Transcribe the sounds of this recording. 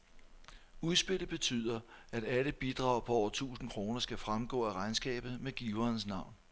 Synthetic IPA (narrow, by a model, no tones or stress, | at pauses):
uðˠsb̥e̝l̰b̥e̝t͡sʰy̰ð̰ˠɐæɾ̥æləb̥id̥ʁɑ̈ʊ̰pʰɒ̽ɒ̰ʊ̰ɐt͡sʰṵːsn̩kʰʁo̝ːnɐsɡ̥æfʁamɡ̥ɔ̰̽ːæʁɑ̈ɪnsɡ̥ɛ̰ːb̥ð̩ˠmeɡ̥iːʊɐːnsnɑ̈ʊ̰n